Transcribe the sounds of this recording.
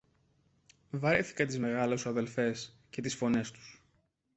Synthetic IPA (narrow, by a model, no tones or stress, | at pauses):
vɐɾiθi̥kɐt̪izme̞ɣɐlesɐðe̞lfe̞s | ce̞t̪isfo̞ne̞st̪u̥s